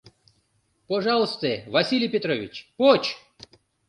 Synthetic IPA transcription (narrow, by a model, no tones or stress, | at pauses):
pɐʐɑlˠəst̪əəvɐsʲilʲɪjpʲɪt̪ɾovʲɪt͡ɕpot͡ɕ